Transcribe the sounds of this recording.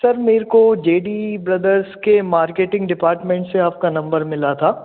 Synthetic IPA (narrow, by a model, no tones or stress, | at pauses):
sɐɾmeːɾkod͡ʒeːɖibɾɐd̪əɾzkemaːɾkeːʈɪ̃ŋɡɖɪpaːɾʈmẽːɳʈseaːp̚kanɐ̃mbəɾmɪlat̪ʰaː